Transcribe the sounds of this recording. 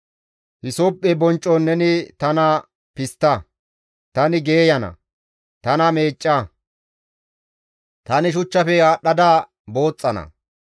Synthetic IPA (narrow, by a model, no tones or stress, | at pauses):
hɪsopʼːɛbɔnt͡ʃʼːɔnːɛnɪt̪ɐnɐ | pɪst̪ːɐ | t̪ɐnɪɡe̞ːjɐnɐ̰ | t̪ɐnɐme̞ːt͡ʃʼːɐ | t̪ɐnɪʃ̬ʊt͡ʃːɐfɛjaːɗɐd̪aː | bo̞ːt͡sʼːɐnɐ̰